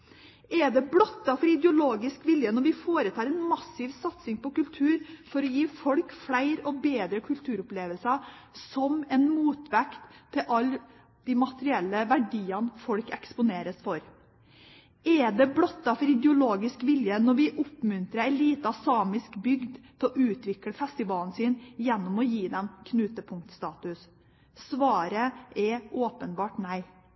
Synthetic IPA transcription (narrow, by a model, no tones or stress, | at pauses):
ɛɖ̪ɛbɽɔt̪ːɑfɔɾɪd̪ɛʊloːɡɪskʋɪljənɔɾʋɪfoːɾət̪ʰɑːɾɛnmɑsɪʋsɑt̪sɪŋpɔkʉlt̪ʰʉːɾfɔɾɔjiːfɔlkfɽæɪɾɔbeːd̪ɾəkʰʉlt̪ʰʉːɾʊpleːʋəlsɑsɔmɛnmuːt̪ʋɛkt̪ʰːɪlʔɑl | d̪̥ɪmɑt̪əɾɪɛlːəʋæɖiːɑnfɔɽkɛkspʊneːɾəsfɔɾ | ɛd̪ɛblɔt̪ːɑfɔɾɪd̪əʊloːɡɪskʋɪljənɔɾʋɪʔʊpmʉnt̪ɾəæɪliːt̪əɑsɑːmɪskbʏɡd̪t̪ʰɪlɔʔʉːt̪ʋɪkləfɛst̪ɪʋɑːln̩siːnjɛnːʊmɔjiːd̪ɛmkʰnʉːt̪əpʰʊŋk̚t̪st̪ɑːt̪ʉs | sʋɑːɾəʔɛʔoːpənbɑːʈnæɪ